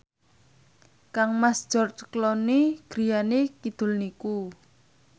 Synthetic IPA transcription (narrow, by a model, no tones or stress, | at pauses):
kaŋmasd͡ʒ̥ɔrt͡ʃklɔniɡ̥ɾijanekid̪̥ʊ̤lniku